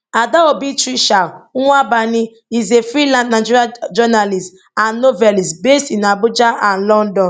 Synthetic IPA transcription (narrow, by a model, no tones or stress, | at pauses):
adaobitɾiʃaabanɪ | izefɾilãnnad͡ʒiɾiad͡ʒɔnalist | annovɛlisbestinabʊd͡ʒaan̩lɔn̩dɔn